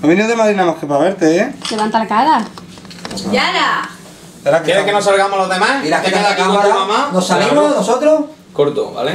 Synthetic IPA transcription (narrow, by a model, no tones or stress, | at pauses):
oβinioðemaðɾinamahkepaβeɾt̪eeleβant̪alakaɾa | jaɾa | seɾakeɾekenos̬alɣamoloɦðemasiɾakek̪eðakaaɾamanosalimonosot̪ɾo | koɾt̪o̰βa̰le